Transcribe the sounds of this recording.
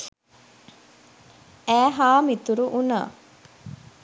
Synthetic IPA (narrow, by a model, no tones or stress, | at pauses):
æːɦaːmit̪uɾuʔuna̰ː